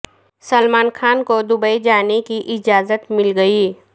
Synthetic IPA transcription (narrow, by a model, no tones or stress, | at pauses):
səlmaːnxaːnkod̪ʊbəid͡ʒaːnekiʔɪd͡ʒaːzət̪mɪlɡɐiː